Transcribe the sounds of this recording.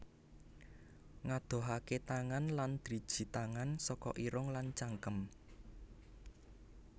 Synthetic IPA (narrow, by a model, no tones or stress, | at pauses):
ŋad̪̥o̤ɦaket̪aŋanland̪̥ɾi̤d̥ʒ̥i̤t̪aŋansɔkɔʔiɾʊŋlant͡ʃaŋkəm